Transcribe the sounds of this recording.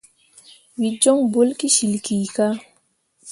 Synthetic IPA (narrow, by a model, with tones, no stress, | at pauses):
wi˨d͡ʒɔ˦ŋbo˦lki˦ʃi˨lki˨ka˦